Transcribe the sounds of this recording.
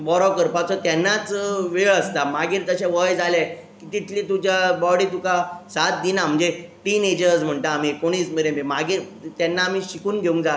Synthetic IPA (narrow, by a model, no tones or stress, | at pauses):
bɔɾɔkəɾpat͡sɔt̪jɛnːat͡sʋeɭəst̪amaɡiːɾt̪əɕãʋəjd͡zalja | kit̪it̪ʰlit̪ud͡ʑjabɔɽiːt̪ukasat̪̚d̪inam̤əɳd͡zeʈiːned͡ʑəɾd͡zm̤əɳʈ̪aːm̤ikoɽ̃iːt͡smiɾememaɡiːɾ | t̪janːaːmiːɕikuːnɡʱeũŋkd͡za